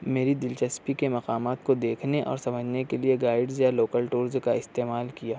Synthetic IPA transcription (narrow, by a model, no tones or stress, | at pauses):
meːɾid̪ɪlt͡ʃəspikemɐqaːmaːt̪kod̪eːkʰneʔɔ̰ːɾsɐməd͡ʒʱnekelieɡaːɪɖzjaloːkəlʈoːɾzkaɪst̪eːmaːlkijaː